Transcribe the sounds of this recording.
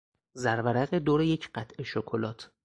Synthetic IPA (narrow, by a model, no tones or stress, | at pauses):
zæɾvæɾæɣed̪oːɾe̞je̞cʰɢ̥æt̪ʰʔe̞ʃokʰolɒːt̪ʰ